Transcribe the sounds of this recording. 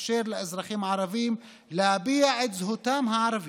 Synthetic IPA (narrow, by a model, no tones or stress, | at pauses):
ʃeːɾlʔɪzɾˤɑxiːmʕɑɾˤɑviːm | labiːʕɪd̪zhʊt̪aːmɦaʕɾˤɑv